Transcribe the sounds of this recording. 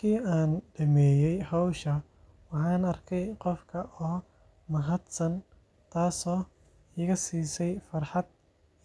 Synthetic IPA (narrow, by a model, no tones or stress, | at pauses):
kʰiːaːnɖɐmɛːjɛjhɑwʃɐ | wɑħɑːnɐrkʰɛjqɔfkʰɐʔɔː | mɐɦɐd̪sɐn | t̪ʰaːsɔː | ɪɣɐsiːsɛjfɐrħɑd̪̚